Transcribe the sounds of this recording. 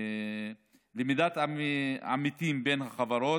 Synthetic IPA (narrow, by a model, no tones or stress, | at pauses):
limid̪at̪aa̰mit̪imbenhaχavaɾo